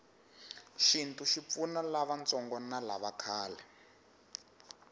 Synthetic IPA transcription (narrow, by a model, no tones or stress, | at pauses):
ʃintuʃip̪funalaβant͡sɔŋɡɔnalaβakʰaːlɛ